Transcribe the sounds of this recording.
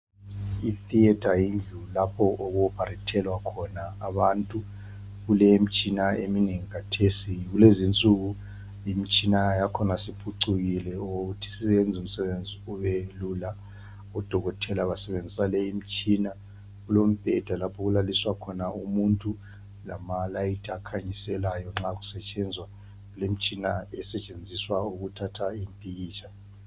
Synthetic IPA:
iθiɛd̥ʰʱajind͡ɮʱulapʰɔʔɔɣɔb̥ʱaritʰɛlwakʰɔnaːβantʼu | ɣulɛimit͡ʃʼinaemineŋikʰatʰesiɣulezint͡sʼuɣu | imit͡ʃʼinajakʰɔnasipʰuǀuɣilɛoɣutʰi̥siɛnd͡zʱum̩sɛβend͡zʱiuβelula | ɔd̥ʱɔɣɔtʰɛlaβasɛβend͡zʱisaleim̩t͡ʃʼina | ɣulom̩b̥ʱɛd̥ʱalapʰɔɣulaliswakʰɔnaumuntʼu | la̰malaitʰʼakʰaɲisɛlajɔŋ͡ǁakusɛt͡ʃʼɛnd͡zʱwa | ulem̩t͡ʃʼinaɛsɛt͡ʃʼend͡zʱiswauɣutʰatʰaimpʼiɣiːt͡ʃʰa

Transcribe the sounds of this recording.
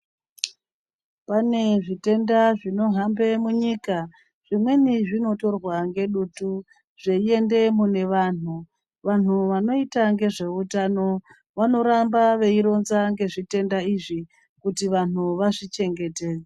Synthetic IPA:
pane̞ʐite̞ndaʐino̞ɦambe̞muɲika | ʐ̥imwe̞niʐino̞to̞rwaŋɡe̞ɗutu | ʐ̥e̞ie̞nde̞mune̞ʋaːn̤u | ʋan̤uʋano̞itaŋɡe̞ʐe̞utano̞ | ʋano̞ɾambaʋe̞iɾo̞nzaŋɡe̞ʐite̞ndaiʐi | kutiʋan̤uʋaʐit͡ʃe̞ŋɡe̞teːd͡ze

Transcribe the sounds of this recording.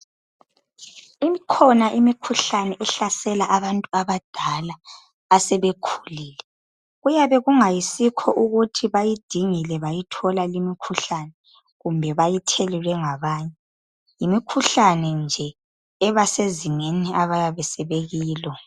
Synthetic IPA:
imikʰɔnaʔimikʰuɬanɛʔɛɬasɛlaʔaβantʼuaβad̥ʱalaː | sɛβekʰu̥liːlɛ | ɣujaβɛɣuŋajisikʰɔʔuɣutʰiβajid̥ʱiŋilɛβajitʰɔlalimikʰuɬanɛ | ɣumbʱɛβajitʰelilwɛŋaβaːɲɛ | jimikʰuɬanɛnd͡ʒʱɛː | βaseziŋeniʔaβajaβɛsɛβeɣiːlɔ

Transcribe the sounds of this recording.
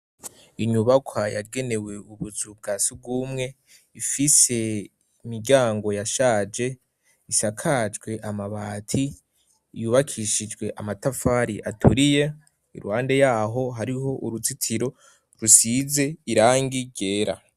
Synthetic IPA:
iɲuβakʰwaja̰ɡe̞ne̞we̞uβuzub̚ɡaːsib̚ɡuːmŋe̞ | ifise̞ | imiɾɟaːŋɡo̞jaʃaːd͡ʒe̞ | isakʰaːd͡ʒɡwe̞ʔamaβaːtʰi | juβakʰiʃid͡ʒɡwe̞ʔamatafaːɾiʔatʰuɾije | ḭɾuhaːnde̞jaːɦo̞ɦaɾiɦo̞ʔuɾut͡sitʰiɾo̞ | ɾusize̞iɾaːŋɡiɟe̞ːɾa̰

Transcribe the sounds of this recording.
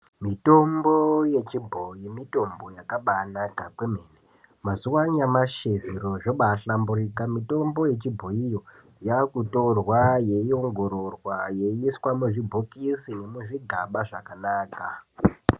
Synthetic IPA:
mito̞mbo̞je̞t͡ʃibʱo̞jimito̞mbo̞jakaɓanakakwemeːne | mazuwaɲamaʃeviɾo̞ʐoɓaɬamburiːkamito̞mbo̞je̞t͡ʃibʱo̞ijo̞ | jakuto̞rwaje̞io̞ŋɡo̞ɾorwaje̞iswamuʐibʱokisine̞muʐiɡʱaɓaʐakanaːka

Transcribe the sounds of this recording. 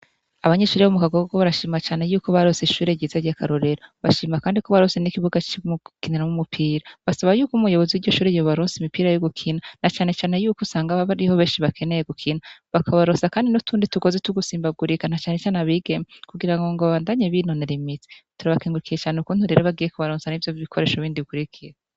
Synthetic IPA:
aβaɲeʃuːɾiβomukaɡoɡoβaɾaʃiːmat͡ʃaːne̞juːkoβaɾoseʃuːɾeɟiːzaɾjakaɾoɾe̞ɾaβaʃiːmakaːndikoβaɾose̞nikiβuɡat͡ʃmukineɾamumupʰiːɾaβasaβajuːkumujo̞βoziwiɟo̞ʃuːɾejoβaɾoːnsimipiːɾajoɡukʰinanat͡ʃaːne̞t͡ʃaːne̞juːkosaːŋɡaβaβaɾiho̞βeːnʃiβakʰe̞nejeɡukʰinaβakʰaβaɾosakaːndinutʰuːndituɡo̞ːzetuɡusiːmbaɡuɾikanat͡ʃaːnet͡ʃaːnaβiɡemekuɡiɾaŋɡo̞ŋɡoβaβaːndaɲeβino̞ne̞ɾimiti̥tuɾaβakiːŋɡuɾukijet͡ʃaːneukuːn̥huɾe̞ːɾoβaɡiːjekuβaɾoːnsanivjoiβikʰoɾe̞ːʃoβiːndiβikuɾikʰije

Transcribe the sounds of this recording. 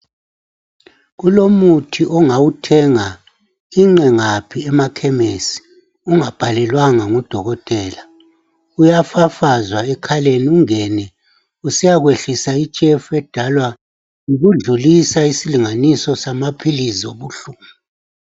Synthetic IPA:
ɣulomutʰiʔɔŋawutʰɛŋa | iŋ͡ǁɛŋapʰiɛmakʰɛmesi̥ | uŋab̥ʱalɛlwaŋaŋɔd̥ʱɔɣɔtʼɛːla | ujafafazwaɛkʰaleniuŋɛnɛ | usijaɣweɬisait͡ʃʼɛfuɛd̥ʱalwa | ŋuɣuɮulisaisiliŋanisɔsamapʰilizoβuɬuːmu

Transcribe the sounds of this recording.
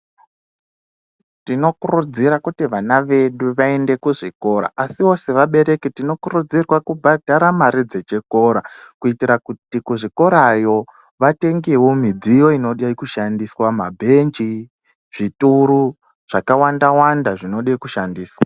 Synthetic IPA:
tino̞kurud͡ziɾakutiʋanaʋe̞ɗuʋae̞nde̞kuʐiko̞ɾa̰ʔasio̞se̞ʋaɓe̞ɾe̞ketino̞kurud͡zirwakubʱadʱaɾamaɾid͡zet͡ʃeko̞ːɾakuitiɾakutikuʐiko̞ɾajo̞ | ʋate̞ŋɡewo̞mid͡zijo̞ino̞ɗaikuʃandiswamabʱe̞nd͡ʒi | ʐ̥ituɾu | ʐ̥akawandawandaʐino̞ɗaikuʃandiːswa

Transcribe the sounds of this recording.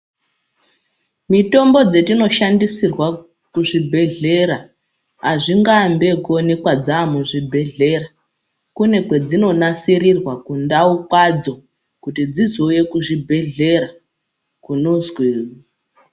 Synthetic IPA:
mito̞mbo̞d͡ze̞tino̞ʃandisirwa | kuʐibʱe̞ɮe̞ɾa | aʐiŋɡambe̞ko̞nekwad͡zaːmuʐibʱe̞ɮe̞ra | kune̞kwe̞d͡zino̞nasiɾirwakundaukwad͡zo̞ | kutid͡zizo̞je̞kuʐibʱe̞ɮe̞ɾa | kunozwiːra

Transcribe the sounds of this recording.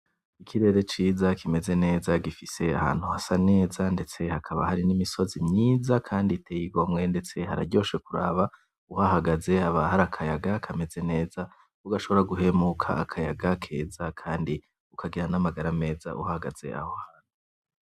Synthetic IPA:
ikʰiɾe̞ːɾe̞t͡ʃiːzakʰime̞ze̞ne̞ːzaɡifise̞a̰ha̰ːn̥huhasane̞ːzande̞t͡se̞hakʰaβa̰haɾinimiso̞zimɲiːzakʰaːnditʰejiɡo̞mŋe̞nde̞t͡se̞ɦaɾa̰ɟo̞ːʃe̞kuɾa̰ːβa | uhaɦaɡaze̞aβahaɾakʰajaɡakʰame̞ze̞ne̞ːza | uɡaʃo̞βo̞ɾaɡuɦe̞mukʰa̰akʰajaɡakʰe̞̰ːzakʰaːndi | ukʰaɡiɾanamaɡaɾame̞ːza̰ʔṵhahaɡa̰z̥e̞̰a̰hohaːn̥u

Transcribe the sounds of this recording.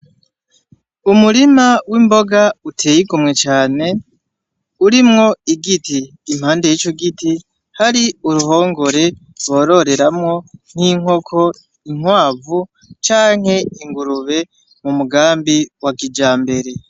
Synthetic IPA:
umuɾimawimbo̞ɡautʰe̞ːjiɡumŋe̞t͡ʃaːne̞ | uɾimŋo̞iɡitiː | m̥haːndejit͡ʃoɡiti | haɾiuɾuɦo̞ːŋɡo̞ɾe̞ | ɾwo̞ːɾo̞ɾe̞ɾamŋo̞n̥hiŋ̥o̞kʰo̞ | iŋ̥waːvu | t͡ʃaːŋ̥he̞iŋɡuɾuβe̞ | mumuɡaːmbiwakid͡ʒaːmbe̞ɾe̞

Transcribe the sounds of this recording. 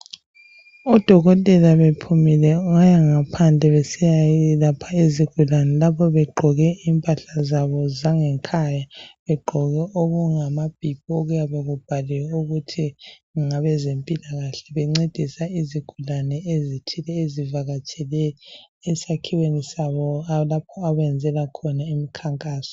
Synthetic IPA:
ɔd̥ʱɔɣɔtʼɛlaβepʰumilɛuɣajaŋapʰand͡ɮʱɛβɛsijailapʰaiziɡ̥ʱulanɛlapʰɔβɛɡ͡ǃʱɔɣɛiːmpʼaɬazaβɔzaŋɛŋkʰajaβɛɡ͡ǃʱɔɣɛʔoɣuŋamab̥ʱib̥̚ʱioɣujaβeɣub̥ʱaliwɛuɣutʰiŋŋaβɛzempʼilaɣaɬɛβɛŋ͡ǀed̥ʱisaiziɡ̥ʱulanɛezitʰilɛezivaɣat͡ʃʼɛlɛː | sakʰiwenisaβɔalapʰɔaβɛnd͡zʱɛlakʰɔnaimikʰaŋkʼaːsɔ̥

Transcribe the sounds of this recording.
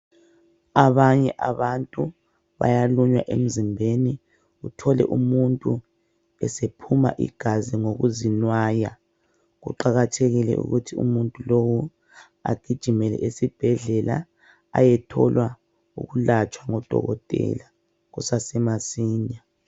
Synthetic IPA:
aβaɲɛʔaβantʼu | βa̰jaluɲwa̰ʔem̩zimbʱeni | utʰɔlɛ̰ʔumuntʼu | ɛsepʰuma̰ʔḭɡ̥ʱaziŋoɣuzinwaːja̰ | ɣṵǃaɣatʰeɣilɛ̰ʔṵɣutʰiṵmuntʼulowu | a̰ɡ̥ʱid̥ʒ̥ʱimɛlɛ̰ʔesib̥ʱɛɮɛla̰ | a̰jɛtʰɔ̰lwa | ṵɣulat͡ʃʼwaŋɔd̥ʱɔ̰ɣɔtʼɛ̰la | ɣusasɛmasiːɲa

